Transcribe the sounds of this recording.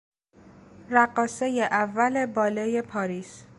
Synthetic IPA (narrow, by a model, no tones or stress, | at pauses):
ɾæɢɒːsejeʔævːæle̞bɒːlejepʰɒːɾiːs